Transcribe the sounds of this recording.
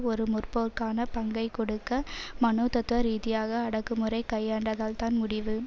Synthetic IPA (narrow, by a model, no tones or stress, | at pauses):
ɔɾɯmʊrpoːɾkaːnɐpɐŋɡɐɪkɔɽɯkːɐmɐnoːt̪ɐt̪ːɯʋɐɾiːðɪjaːɣɐːɽɐkːɯmɯrɐɪkɐjːaːɳɖɐɣaːɭt̪aːnmʊɽɪʋɯ